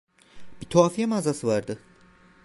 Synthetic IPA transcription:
bit̪ʰoaːfijɛmaːzasɯvaɾd̪ɯ

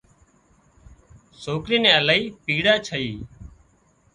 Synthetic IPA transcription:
soːkɾiːnɛ̃ːəlaːiːpiːɽaːt͡ʃʰəiː

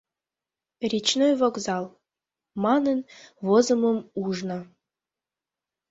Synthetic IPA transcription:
rʲit͡ɕnojvoɡzɑlˠ | mɑnənvozə̆məmuʐnə̆

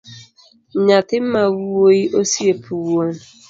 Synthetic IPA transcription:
ɲatɪm̩mawuwoiʔosiepʰuwuon

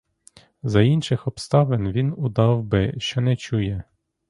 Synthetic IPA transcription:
zɐinʃɪxɔpst̪ɑʋenʋʲinud̪ɑwbɪʃt͡ʃɔnɛt͡ʃujɛ

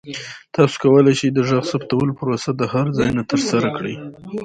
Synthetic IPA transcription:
t̪ɑso̥kawəlajʃid̪əʒaɣsapt̪awəlpəɾosad̪əhaɾd͡zɑjnat̪əɾsaɾakɽḭ

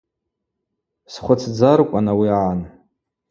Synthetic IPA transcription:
sχʷat͡sʰd͡zarkʷʼanawiaʕan

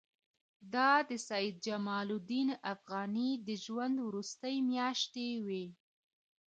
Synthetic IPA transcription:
d̪ɑd̪əsajid̪̚d͡ʒamɑlud̪inafɣɑnid̪əʒwand̪wɾust̪əjmjɑʃt̪ewi

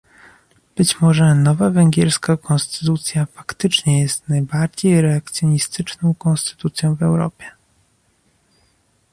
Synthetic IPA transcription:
b̥ɘt͡ɕmɔʐɛnɔvavɛŋɡʲjɛɾskakɔ̃nst̪ɘ̥t̪ut̪sʲjafakt̪ɘt͡ʂɲɛjɛst̪najbaɾd͡ʑejɾɛak̚t̪sʲjɔɲist̪ɘt͡ʂnɔ̃w̃kɔnst̪ɘ̥t̪ut̪sʲjɔ̃w̃vɛwɾɔ̰pʲjɛ

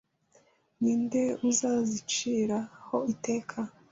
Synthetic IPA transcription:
niːnde̞uzaːzit͡ʃiːɾaho̞ite̞ːkʰa

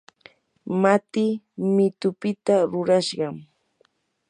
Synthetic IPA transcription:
mat̪ɪ | mɪt̪ʊpɪt̪aɾʊɾaʃɢɑm

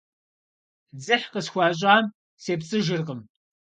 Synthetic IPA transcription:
d͡zɨħqəsxʷɑːɕ̬ʼaːm | seːpt͡sʼɨʒɪrqəm

